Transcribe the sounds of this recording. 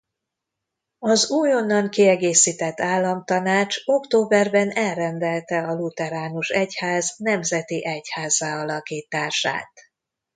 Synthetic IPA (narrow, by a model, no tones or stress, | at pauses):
ɒzuːjo̞nːɒŋkiɛɡeːsiːt̪ɛt̪ːaːlːɒmt̪ɒnaːt͡ʃo̞kt̪oːbɛrbɛnɛlrɛnd̪ɛlt̪ɛɒlut̪ɛɾaːnuʃɛchaːznɛmzɛt̪iʔɛchaːzaːɒlɒkiːt̪aːʃa̰ːt̪